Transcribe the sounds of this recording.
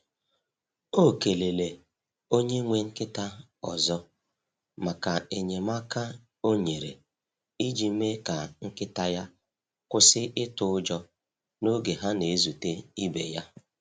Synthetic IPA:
o˦˨ke˨le˨le˨ | o˦ɲe˦ŋʷe˦ŋ̩˦kɪ˦ta˦ | ɔ̰˨zɔ˦ | ma˨ka˨e˨ɲe˨ma˦ka˦ | o˦ɲe˨ɾḛ˨ | i˦d͡ʒi˨˦me˦ka˨ŋ̩˦kɪ˦ta˦ja˦ | kʊ˦sɪ˦ʔɪ˦tʊ˦ʊ˦d͡ʒɔ˦ | no˦ɡe˨ɦa˦ne˨e˦zu˨te˦i˦bḛ˨ja˦

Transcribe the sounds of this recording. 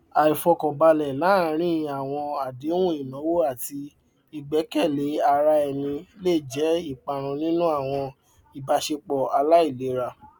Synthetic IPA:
a˨i˨fɔ˧kɔ̃˨ba˧lɛ˨la˨˦˨ɾ̃ĩ˦˧a˨w̃ɔ̃˧a˨de˨˦wũ˦i˦˨mɔ̃˨˦wo˦a˦˨ti˧ | i˨ɡ͡bɛ˨˦kɛ˦˨le˨˦a˧ɾa˧ɛ˨mĩ˧le˦˨d͡ʒɛ˨˦i˦˨k͡pa˧˨ɾ̃ũ˧nĩ˦nũ˦a˦˨w̃ɔ̃˧ | i˨ba˧ʃe˧k͡pɔ˨a˧la˦i˦˨le˨˦ɾa˧

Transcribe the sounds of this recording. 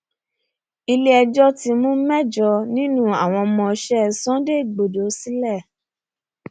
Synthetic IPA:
i˧le˦ɛ˧d͡ʒɔ˦ti˧mũ˦mɛ˦d͡ʒɔ˧nĩ˦nũ˦a˦˨w̃ɔ̃˧mɔ̃˧ʃɛ˦sɔ̃˦de˦i˨ɡ͡bo˨do˨˦si˦lɛ˦˨

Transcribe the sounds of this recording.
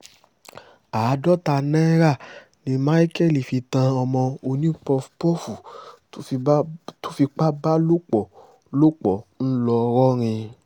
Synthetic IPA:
a˨˦dɔ˦ta˧nɛ̃˦ɾa˦˨ | nĩ˧˦mã˦i˦kɛ˦˨li˨fi˧tã˧ɔ˧mɔ̃˧o˧nĩ˦pɔ˧fpɔ˦fu˨˦˧ | to̥˦fi˧k͡pa˦ba˦lo˦k͡pɔ˨ | lo˦k͡pɔ˨n̩˦lɔ˧ɾɔ˦ɾ̃ĩ˧

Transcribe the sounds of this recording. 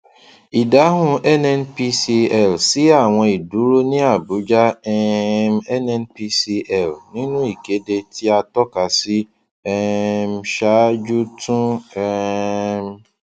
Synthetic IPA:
i˨da˨˦ɦʊ̃˧ɛ˦nɛ˦n˦pi˦si˧ɛ˨lsi˦a˦˨w̃ɔ̃˧i˨du˨˦ɾu˦nĩ˦a˦˨bu˨˦d͡ʒa˦ɛ˦m˦ɛ˦nɛ˦n˦pi˦si˧ɛ˦˨lnĩ˦nũ˦i˦˨ke˨˦de˧ti˦a˧tɔ˦ka˨si˦ | ɛ˦m̩˦ʃa˦d͡ʒu˦tũ˦ɛ˦m̩˦

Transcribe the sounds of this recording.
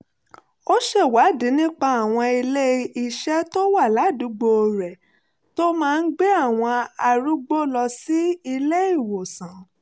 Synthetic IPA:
o˦ʃe˦˨wa˨˦di˨˦nĩ˦k͡pa˧a˨w̃ɔ̃˧i˧le˦i˨ʃɛ˦to˦wa˦˨la˨˦du˨˦ɡ͡bo˧ɾɛ˨ | to˦mãː˦˧n̩˦ɡ͡be˦a˦˨w̃ɔ̃˧a˨ɾu˦ɡ͡bo˦lɔ˧si˦i˧le˦i˦˨wo˨sã˨

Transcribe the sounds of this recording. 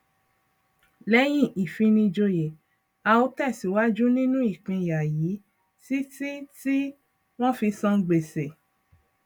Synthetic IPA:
lɛ˦j̃ĩ˦˨ʔi˨fĩ˧nĩ˧d͡ʒo˧je˨ | a˧o˨˦tɛ˦˨si˨˦wa˦d͡ʒu˦nĩ˦nũ˦i˦˨k͡pĩ˧˨ja˨ji˨˦ | ti˦ti˦ti˦ | w̃ɔ̃˦fi˧sɔ̃˦˧ɡ͡be˨se˨

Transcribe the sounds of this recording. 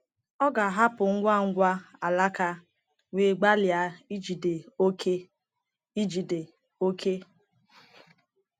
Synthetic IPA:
ɔ˦ɡa˨ɦa˦pʊ˨ŋ̩˦ɡʷa˦˨ŋ̩˦ɡʷa˦a˨la˦ka˦ | ŋʷe˨˦˨ɡ͡ba˦lja˨˦i˦d͡ʒi˨de˨o˦kʰe˦ | i˦d͡ʒi˨de˨ | o˦kʰe˦

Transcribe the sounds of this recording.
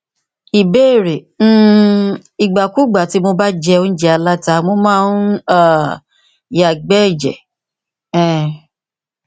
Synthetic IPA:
i˨be˦˨ɾe˨ | n̩˦ | i˨ɡ͡ba˨ku˦ɡ͡ba˨ti˨˦mo˧ba˦d͡ʒɛ˧o˧n̩˦d͡ʒɛ˧a˧la˦ta˧˦mo˧˦mãː˦˧n̩˦a˦˨ | ja˨ɡ͡bɛ˦˨d͡ʒɛ̰˨ | ɛ̃˨

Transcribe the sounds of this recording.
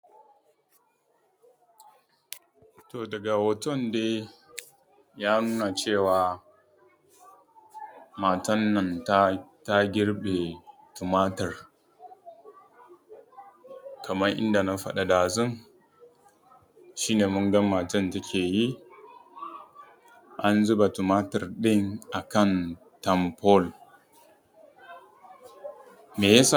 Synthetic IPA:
toː˨dɐ˨ɡa˨wɐ˨tɔ˦˨ndeː˦ | jaː˦nuː˦na˨t͡ʃeː˦˨waː˨ | maː˨tɐ˦nːɐ˨ntta˦ɡʲɪ˦ɽɓe˨tʊ˨maː˦tɐ˨r | kʰɐ˨mɐ˦ʔɪ̰˦nda˨na˦ɸɐ̰˦ɗa˨daː˨zʊ˦ŋ | ʃiː˦neː˨mʊ˦ŋɡɐ˦maː˨tɐ˦nta˦kʲʰeː˨ji˦ | ʔa˦nzʊ˦ba˨tu˨maː˦tɐ˨rɗɪ˦ŋʔa˨kɐ˦n | tɐ˨mpɔ˦l | meː˨jɐ˦sa˨

